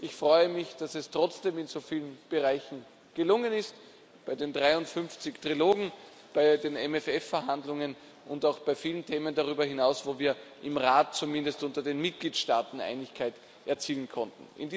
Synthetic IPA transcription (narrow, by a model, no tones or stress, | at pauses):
ʔɪçfʁ̥ɔʏəmɪçd̥asɛstʁ̥ɔt͡sd̥eːmɪnz̥ofiːlənb̥əʁaɪçn̩ | ɡ̥əlʊŋənɪst | b̥aɪdeːndʁaɪʊntfʏnft͡sɪçtʁ̥iloːɡŋ̩ | b̥aɪdeːnɛmɛfɛfːɛɐɦandlʊŋən | ʔʊndaʊxb̥aɪfiːləntʰeːməndaʁyːbɐhɪnaʊsv̥oːviːɐʔɪmʁaːt̚t͡sumɪ̃ndəstʊ̃ntɐdeːnmɪt̚ɡ̥liːtʃtaːtn̩ʔa̰ɪnɪçkʰaɪt | ʔɛɐt͡siːlnkʰɔntn̩ʔɪ̰ndi